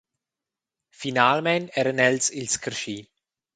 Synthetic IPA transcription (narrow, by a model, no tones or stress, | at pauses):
finaːlmɛnɛɾənɛlsilskʰərʃiː